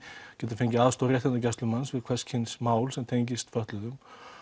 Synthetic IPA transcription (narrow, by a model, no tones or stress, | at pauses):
cɛːt̪afejɲcɪaːðst̪owɾjɛht̪ʰɛnt̪acast̪lʏmansvɪðkʰv̥ɛscʰhɪnsmaːwlsɛmt̪ʰejɲcɪst̪fœht̪lʏðʏm